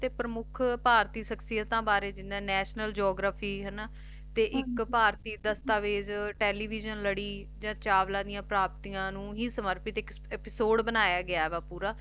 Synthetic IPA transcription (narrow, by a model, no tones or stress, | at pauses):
t̪eːpɾəmʊkʰpaːɾt̪iːʃəksɪjət̪ãːbaːɾeːd͡ʒɪnːãːnɛːʃnəld͡ʒɔːɡɾaːpʰiːɦənaː | t̪eːʔɪkpaːɾt̪iːd̪əst̪aːʋeːd͡ʒʈɛːliːʋiːd͡ʒənləɽiː | d͡ʒãːt͡ʃaːʋlãːd̪ijãːpɾaːpt̪ijãːnũːɦiːsəməɾpɪt̪ɪk | ɛːpɪsoːɖbənaːjaːɡɪaːɛʋaːpuːɾaː